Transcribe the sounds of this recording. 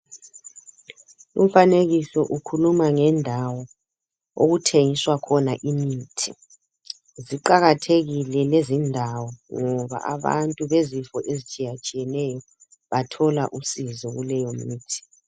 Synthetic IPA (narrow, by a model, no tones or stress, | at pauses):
ṵm̩faneɣisɔʔukʰulumaŋɛndʱawɔ | o̰ɣutʰeŋiswakʰɔnaʔimiːtʰi | ziǃaɣatʰeɣilɛlezindʱawɔŋɔβa̰ʔa̰βa̰ntʼuβezifɔʔezit͡ʃʼijat͡ʃʼijɛnɛjɔ | βatʰɔlaʔusizɔɣulɛjɔmiːtʰi̥